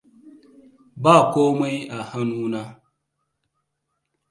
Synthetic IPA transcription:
baː˦˨koː˦ma˦ja˨ha˦nu˦na˦

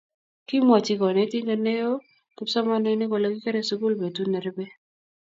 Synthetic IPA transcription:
kɪ˦mɔ˨t͡ʃɪ˦kɔ˨nɛ˨˦ti˦ŋɡa˨ne˦o˦ | kɪ˦psa˦ma˦nɛ˦ne˦ko˨lo˨ɡi˦ke˦ɾɛ˦su˦ku˦lbe˨tu˦nɛ˨ɾe˦be˦

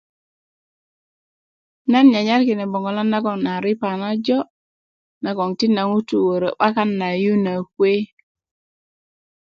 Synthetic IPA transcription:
na˦nɲa˨ɲa˦ɾki˨ne˨bo˨ŋɡo˨la˦nːa˦ɡo˨ŋna˨ɾi˦pa˨na˦d͡ʒo˦ | na˨ɡo˨ŋti˦na˨ŋu˦tu˨wo˨ɾə˨ɓa˦ka˦nːa˨ju˦na˨kwe˦

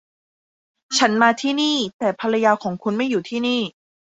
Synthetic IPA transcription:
t͡ɕʰa˦˥nmaː˧t̪ʰiː˥˩niː˥˩t̪ɛː˨˩pʰa˧ɾa˧jaː˧kʰɔː˩˦ŋkʰu˧nma˥˩juː˨˩t̪ʰiː˥˩niː˥˩

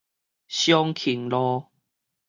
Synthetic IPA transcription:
ɕjɔ˦ŋkʰi˨˩ŋlɔ˦

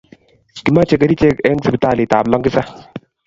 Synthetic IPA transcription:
ki˨ma˦t͡ʃɛ˦˧ka˨˦di˦t͡ʃɛ˦kɛ˦ŋsi˦bi˨˦taː˦˨lɪ˨ta˨blɔ˦ŋkɪ˦sa˦

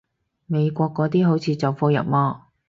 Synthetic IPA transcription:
me˨˧jkʷɔː˧kːɔː˨˥t̪iː˥ɦo˨˥wt͡sʰiː˨˧t͡sɐ˨wfoː˧jɐ̰˨p̚mɔː˧

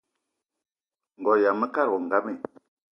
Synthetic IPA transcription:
ŋ˨ɡɔ˨ja˨mə˦ka˦ɾɣɔ˨ŋɡa˦mɛ˨

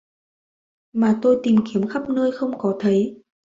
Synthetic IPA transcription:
maː˨˩t̪o˧jt̪i˨˩mki˨˦əmxa˦˥p̚nəː˧jxə˧wŋ͡mkɔ˨˦t̪ʰə˨˦j

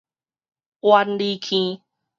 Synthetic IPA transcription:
wa˧nɖi˧kʰĩ˦

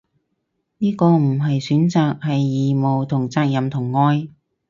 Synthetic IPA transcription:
niː˥kɔː˧m̩˨˩ɦɐ˨jsyː˨˥nt͡saː˨k̚hɐ˨jːiː˨˩mo˨wt̪ʰʊ˨˩ŋt͡saː˧k̚jɐ˨mt̪ʰʊ˨˩ŋːɔː˥j

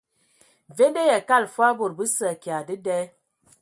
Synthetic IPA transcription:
ve˦nde˦jɛ˨ka˦˨lfa˦bo˨ɾbɨ˦sə˦˨kja˨dɨ˦dɛ˦

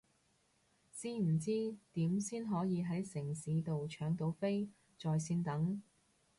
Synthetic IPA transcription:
siː˥m̩˨˩t͡siː˥t̪iː˨˥msiː˥nɦɔː˨˥jiː˨˧ɦɐ˨˥jsɪ˨˩ŋsiː˨˥t̪o˨wt͡ʃʰœː˨˥ŋt̪o˨˧˥wfe˥j | t͡sɔː˨jsiː˧nt̪ɐ˨˥ŋ

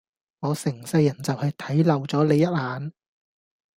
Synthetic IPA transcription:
ŋɔː˨˧sɪ˨˩ŋsɐ˧jɐ˨˩nt͡sɐ˨whɐ˨˧jt̪ʰɐ˨˥jlɐ˨˩wt͡sɔː˨˥le˨˧jɐ˥t̚haː˨˧n

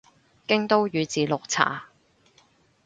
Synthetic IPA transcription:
kɪ˥ŋt̪o˥wjyː˨˧t͡siː˨˧lʊ˨k̚t͡sʰa̰ː˨˩

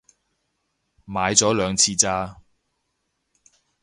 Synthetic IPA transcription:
maː˨˧jt͡sɔː˨˥lœː˨˧ŋt͡sʰiː˧t͡saː˧

